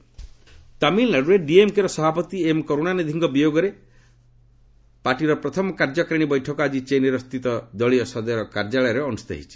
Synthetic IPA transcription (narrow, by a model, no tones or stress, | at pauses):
t̪amilːaɽuɾeɖiemkeɾɔsɔbʱapɔt̪iemkoɾonanid̪ʱiŋɡɔbijoɡɔɾe | paʈiɾɔpɾɔt̪ʰɔmɔkaɾd͡ʒɔkɾeɽ̃ibɔjʈʰɔkɔad͡ʒit͡ʃeneɾɔst̪it̪ɔd̪ɔɭiɔsɔd̪ɔɾɔkaɾd͡ʒaɭɔjɔɾeɔnust̪a̰ɦḭt͡ʃʰi̥